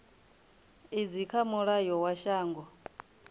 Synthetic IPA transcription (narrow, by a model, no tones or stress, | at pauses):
id͡zikʰamuɺajɔwaʃaːŋɡɔ